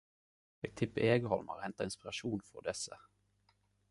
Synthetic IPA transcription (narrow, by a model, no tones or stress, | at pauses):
ɛɡ̚t̪ʰɪpːəeːɡəhɔlma̰ɾhɛnt̪aɪnspɪɾaʂuːnfɔ̰d̪ɛsːə